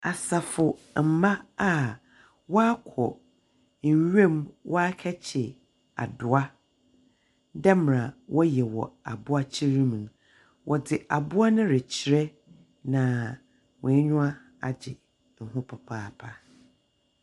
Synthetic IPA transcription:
a˨sa˨fʊ˨m̩˨mã˦a˦˨ | wɔ˦a˦kʰɔ˨ | n̩˨ɥẽ˦˨mwʔɔ˦a˦kʰɛ˦t͡ɕʰɪ˨ | a̰˨dʊ˨a˦ | dɛ˦m˨ɾã˨wʔɔ˦jɛ˨wɔ̰˨a˨bʊ˦a˦t͡ɕʰi˦ɾĩ˦mĩ˨n | wʔɔ˨dɪ˨ʔa˨bʊ˦a˦nʊ̃˦ɾɛ˨t͡ɕʰi˨ɾɛ˦ | nã˨ | wɔ̃˨˦ɲʊ̃˦a˦ | a̰˨d͡ʑɪ˨ | ŋ̩˨ɦʊ̃˦pʰɔ˨pʰaː˦˨pʰa˨

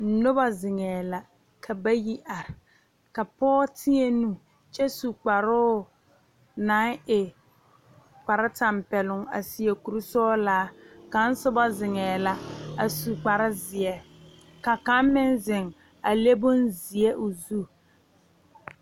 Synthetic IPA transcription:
n̩˦˨˦nʊ˦ba˦zɪ˨ŋɛː˨la˨ | kʰa˨ba˦ji˦ʔa˨ɾɪ˨ | ka˨pɔː˦tʰɪ˦ɛ˦nu˦ | t͡ʃɛ˦su˨k͡pa˨ɾʊː˦ | na˨˦ŋɪ˨ | k͡pa˨ɾɪ˦ta˨mpɛ˨lʊ˨ŋa̰˨si˨e˨ku˨ɾu˦sɔː˦laː˨˦ka˦n̩˦sʊ˦ba˦zɪ˨ŋɛː˨la˨a˨su˨k͡pa˨ɾɪ˦zɪ˨ɛ˨ | ka˨ka˦m˦mɪ˦nzɪ˨ŋ | a˨le˦bʊ˦nzi˨ɛ˦ʔʊ˨zu˦

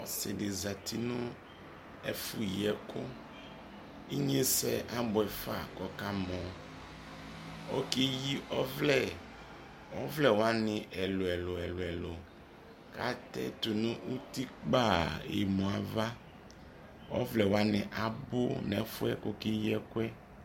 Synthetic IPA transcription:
ɔ˦sɪ˨dɪ˨za˨t̪ʰi˦nʊ̃˦ | ɛ̰˦fʊ˦˨˦ɛ˦kʰʊ˦ | i˦ɲe˦sɛ˦ʔa˦bʊ˨ɛ˨fa̰˨kɔ˨ka˦mɔ̃˨ | ɔ˦kɪ˦ji˦ʔɔ˦vlɛ˦˨ | wɔ˦vlɛ˨wo˦a˦nɪ̃˨ʔɛ˨lo˨ɛ˨lʊ˨ɛ˨lʊ˨ɛ˨lo˨ | ka̰˦t̪ɛ̰˦t̪u˨nʊ̃˦ʔu˦t̪i˦k͡pa˦˨ḛ˨mɔ̃˨a˨va˦ | wɔ̰˦vlɛ˨wa˦nɪ̃˨ʔa˨bʊ̰˦nɛ˨˦fʊ˦ɛ˦ko˦kɪ˦jɛ˦kʊ˦ɛ˦

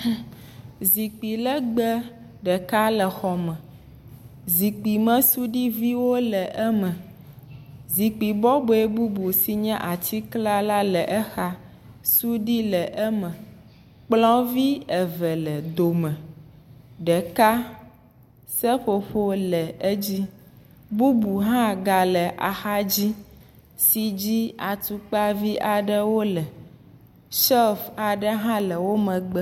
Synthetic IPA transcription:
zi˨k͡pi˨lɛ˦ɡ͡bɛ˦ | ɖɛ˨ka˦lɛ˨xɔ˨mɛ̃˨ | zi˨k͡pi˨mɛ̃˦su˦ɖi˦vi˦wo˦lɛ˨ʔɛ˦mɛ̃˨ | zi˨k͡pi˨bɔ˦bo˨e˦bu˦bu˨si˦ɲɛ̃˦ʔa˨t͡ɕi˦kla˦la˦lɛ˨ʔɛ˦xa˦ | su˦ɖi˦lɛ˨ʔɛ˦mɛ̃˨ | k͡plɔ̃˦vi˦ɛ˨vɛ˨lɛ˨d̪o˨mɛ̃˨ | ɖɛ˨ka˦ | sɛ˦ɸo˨ɸo˦lɛ˨e˦d͡ʑi˦ | bu˦bu˨ɦã˦ɡa˨lɛ˨ʔa̰˨xa˦d͡ʑi˦ | si˨d͡ʑi˦a˨t̪u˨k͡pa˦vi˦ʔa˨ɖɛ˦wo˦lɛ˨ | ʃɛ˦fa˨ɖə˦ɦã˦lɛ˨wo˦mɛ̃˨ɡ͡bɛ˦

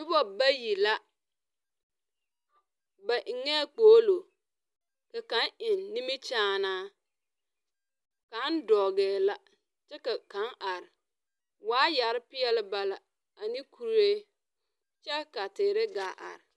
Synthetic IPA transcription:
bɪ˦bɔ˦ba˦ji˨la˦ | ba˨ʔɪ˨ŋɛ˦k͡poː˨˦lo˨ | ka˨ka˨˦nɪ˨nːi˦mi˦t͡ʃaː˦naː˦ | ka˨˦n˦dɔː˨ɡɛː˨la˦ | t͡ʃɛ˦ka˨ka˨˦nʔa˨ɾɪ˨ | waː˦ja˨ɾɪ˦pɪ˦ɛ˦lɪ˦ba˨la˨ | a˨ni˦kʰu˦ɾeː˦ | t͡ʃɛ˦ka˨tɪː˨ɾɪ˦ɡaː˨˦ʔa̰˨ɾɪ˨

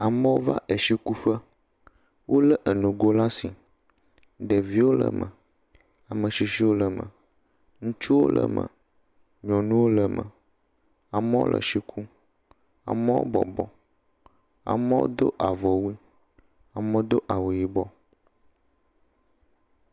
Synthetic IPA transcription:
a˨mə̃˦wo˦va̰˦ʔe˨ʃi˦ku˦ɸə˦ | wʔo˦lə˦ʔə˨nũ˨ɡo˦la˦si˨ | ɖə˨vi˦wo˦lə̰˨mə̰˨ | a˨mə̃˨ʃi˨ʃi˦wo˦lə˨mə̰˨ | ŋũ˦t͡ʃu˦wo̰˦lʔə̰˨mə̰̃˨ | ɲɔ̃˨nũ˦wo˦lə˨mə̰̃˨ | a˨mə˦wo̰˦lʔə̰˨ʃi˦kʰu˦ | a̰˨mə̃˦wo̰˦bɔ̰˨bɔ˨ | a̰˨mə˦wo̰˦d̪o̰˦ʔa˨vɔ˨wi˦ | a˨mə̃˦d̪o˦ʔa˨wu˨ji˨bɔ˦

